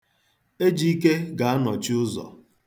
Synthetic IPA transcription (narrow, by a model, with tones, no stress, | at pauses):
e˦d͡ʒi˦i˦ke˦ɡa˨a˦nɔ˨t͡ʃɪ˦ʊ˦zɔ̰˨